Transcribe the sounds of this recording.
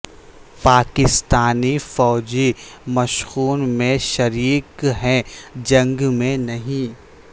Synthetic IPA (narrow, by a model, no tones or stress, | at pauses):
paːkɪst̪aːnifɔːd͡ʒimɐʃɣuːnmẽʃɐɾiːkɦɛ̃d͡ʒɐ̃ŋɡmẽnɐɦĩ